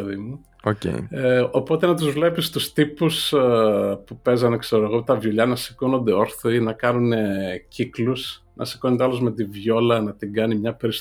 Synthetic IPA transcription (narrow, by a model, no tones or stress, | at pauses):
ðimu | ocḛo̞po̞t̪e̞nɐt̪̬uzvle̞pist̪ust̪ipus | pupe̞zɐnekse̞ɾoeɣot̪ɐvʝoʎɐnɐsi̥kono̞nd̪e̞o̞ɾθoinɐkɐnuneciklus | nɐ̰si̥konond̪eɐlozme̞t̪ivʝo̞lɐnɐt̪iɡɐnimɲɐpe̞ɾis